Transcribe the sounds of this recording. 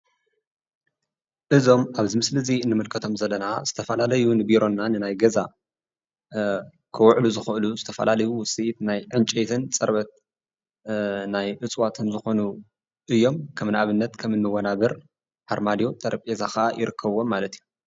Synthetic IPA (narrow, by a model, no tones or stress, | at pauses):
ʔɨzo̞mʔaβzimɨslɨzinːɨmɨlkʰɐt̪ʰo̞mzɐlːɐnaz̥ɨt̪ʰɐfɐlalɐjunɨbiɾo̞nːanɨnajɡɐza̰ | kʰɨwʕluzɨxɨʔɨluzɨt̪ʰɐfɐ̰lalɐjuwsʼiʔt̪najʕɨnt͡ʃʼet̪ʰɨnt͡sʼɐɾβɐt̪̚ | najʔɨt͡sʼwat̪ʰɨnzɨxo̞nu | ʔɨjːo̞mkʰɐmnaβɨnːɐt̪kʰɐmɨnːɨwɐnaβɐɾ | ħaɾmad̪jo̞t̪ʼɐɾʔɐpʼezaxɐʔajʔɪɾɨkʰːɐβːonmalɐt̪iju